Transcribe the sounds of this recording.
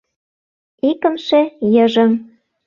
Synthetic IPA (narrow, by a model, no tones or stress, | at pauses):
ikə̆mʃejɤ̆ʒə̆m